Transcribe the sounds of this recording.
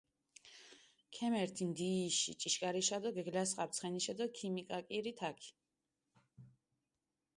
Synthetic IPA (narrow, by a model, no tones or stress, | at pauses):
kʰɛmɛɾt̪ʰimd̪iʃḭt͡ʃʼiʃkʼaɾiʃad̪ɔɡɛɡlasχʼap̚t̪sʰχɛniʃad̪ɔkʰimikʼakʼiɾit̪ʰakʰi̥